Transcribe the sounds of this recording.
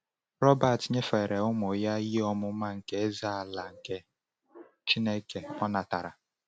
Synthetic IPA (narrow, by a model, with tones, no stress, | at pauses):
ɾɔ˦ba˨tɲe˦fe˨ɾe˨ʊ˦mo˨ja˦ji˦ɔ˦mʊ˦ma˦ŋ̩˨ke˦za˦a˨la˨ŋ̩˨ke˦ | t͡ʃi˦ne˦ke˨ɔ˦na˨ta˨ɾa̰˨